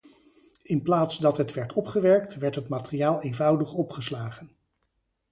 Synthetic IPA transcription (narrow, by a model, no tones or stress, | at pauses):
ɪnplaːtsdɑtɦətʋɛɹtʰɔpχəʋɛɹk̚tʋɛɹtɦətmaːtəriaːlˠejnvʌwdəχɔpχəslaːχən